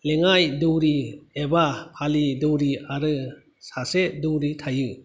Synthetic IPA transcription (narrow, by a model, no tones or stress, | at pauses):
leŋajdɯwɾiebapʰalidɯwɾiaɾɯ | saseduwɾitʰajɯ